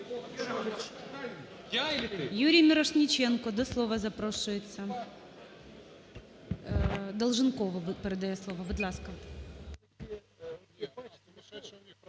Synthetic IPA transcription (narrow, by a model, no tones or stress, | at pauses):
lʲjuɾʲɪjmʲɪɾɐʂnʲɪt͡ɕenkɔd̪ɐslˠovəzɐpɾoʂʊjɪt̪sə | d̪əlˠʐɨnkovəvɨpɾd̪ɐjaslˠovəbɨd̪lˠaskə